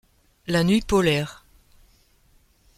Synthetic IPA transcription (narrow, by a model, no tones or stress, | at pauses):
lanɥipɔlɛːʁ